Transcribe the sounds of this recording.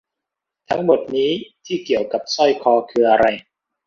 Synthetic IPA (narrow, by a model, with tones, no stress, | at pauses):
t̪ʰa˦˥ŋmo˨˩t̪̚niː˦˥t̪ʰiː˥˩ki˨˩əwka˨˩p̚sɔ˥˩jkʰɔː˧kʰɯː˧ʔa˧ɾa˧j